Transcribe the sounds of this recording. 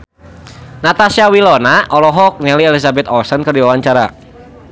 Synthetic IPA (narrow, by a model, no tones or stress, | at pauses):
nat̪asiawilɔnaʔɔlɔɦɔk̚nɛliɛlisabɛt̪ɔsənkərdiwawaɲt͡ʃaɾa